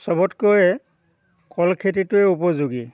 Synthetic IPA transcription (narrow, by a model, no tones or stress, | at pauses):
sɔbɔtkɔjɛ | kɔlkʰet̬itʊɛupɔzuɡi